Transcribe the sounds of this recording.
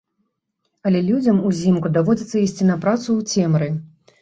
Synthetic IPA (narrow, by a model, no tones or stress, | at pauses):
ɐlʲɛlʲud͡zʲɐmuzʲimkud̪avɔd͡zʲɐt̪sːɐisʲt͡sʲinɐpɾat̪suːt͡sʲɛmɾɨ